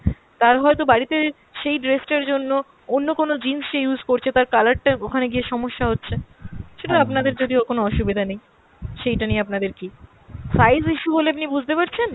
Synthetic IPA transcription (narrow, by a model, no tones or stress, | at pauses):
t̪aɾɦɔet̪obaɽit̪e | ʃejɖɾesʈeɾd͡ʑonːo | onːokonod͡ʑimsʃejuzkoɾt͡ɕʰet̪aɾkalaɾʈaokʰaneɡieʃɔmoʃːaɦotːɕʰeʃeʈaapnad̪eɾd͡ʑod̪iokonoɔʃubid̪ʱanej | ʃejʈanijapnad̪eɾki | sajziʃuɦoleap̬nibud͡ʑʱt̪epaɾt͡ɕʰen